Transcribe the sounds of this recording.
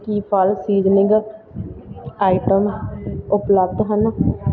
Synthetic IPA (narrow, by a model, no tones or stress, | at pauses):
kiːpʰalsiːd͡ʒnɪ̃ɡ | aːɪʈəmʊpləb̚d̪ɦən